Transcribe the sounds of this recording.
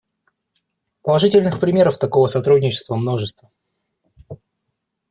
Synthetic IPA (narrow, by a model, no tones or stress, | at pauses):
pəlˠɐʐɨtʲɪlʲnɨxpɾʲɪmʲe̞ɾəft̪ɐko̞vəsɐt̪ɾudʲnʲɪt͡ɕɪ̥st̪vəmno̞ʐɨst̪və